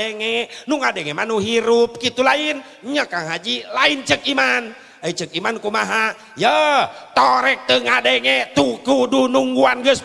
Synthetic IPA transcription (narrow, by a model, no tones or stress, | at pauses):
ɛŋɛnuŋadɛŋɛmanuɦiɾup̚kit̪ulain | ɲakaŋɦad͡ʒilaint͡ʃək̚iman | əit͡ʃək̚imankumaɦa | jət̪ɔɾɛk̚t̪əŋadɛŋɛt̪ukudunuŋɡuanɡəs